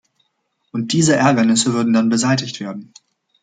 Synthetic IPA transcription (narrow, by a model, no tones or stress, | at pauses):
ʔʊnt̚d̥iːzəʔɛɐɡɐnɪsəvʏɐdn̩danbəzaɪtɪçtv̥eːɐdn̩